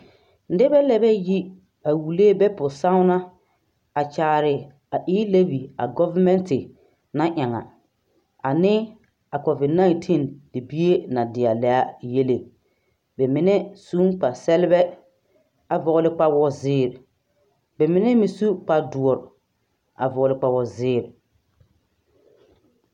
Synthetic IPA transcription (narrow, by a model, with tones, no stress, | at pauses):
n̩˦dɪ˦bɛ˦lɛ˦bɛ˦ji˦ | a˨wu˨le˦bɛ˦pʊ˨sa˦ʊ˦na˦ | a˨t͡ʃaː˨ɾɪ˨ | a˨ʔiː˦le˦bi˨a˨ɡɔ˦va˦mɛ˦ntɪ˨ | na˦ʔa˨ŋa̰˨ | a˨nɪ˦ | a˨kɔ˨vɪ˨dna˦i˨ntʰi˦˨ndɪ˨bi˦e˦na˨dɪ˨a˨lɛ˨a˦je˦le˨ | bɛ˨mɪ˨˦nɛ˦suː˦ŋk͡pa˨sɛ˦lɪ˦bɛ˦ | a˨vɔ˨ɣʊ˦lɪ˦k͡pa˦wɔ˦zɪː˦˨ɾ | bɛ˨mɪ˨˦nɛ˦mɪ˨su˦k͡pa˨du˨ɔ˨ɾ | a̰˨vɔ˨lɪ˨k͡pa˨wɔ˨zɪː˦˨ɾ